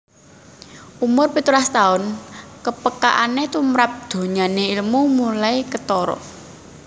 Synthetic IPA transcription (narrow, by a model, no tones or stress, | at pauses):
ʔumʊrpit̪ulast̪aʊnkəpəka̰ʔanet̪umɾap̚d̪̥o̤ɲaneilmumulaikət̪ɔɾɔ̰ʔ